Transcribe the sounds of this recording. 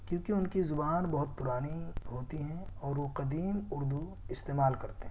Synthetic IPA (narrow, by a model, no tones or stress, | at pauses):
kjõːkiʊnkizʊbaːnbɐɦʊt̪̚pʊɾaːniɦoːt̪iɦɛ̃ɔːɾʋoqɐd̪iːmʊɾd̪u | ɪst̪eːmaːlkɐɾt̪eɦɛ̃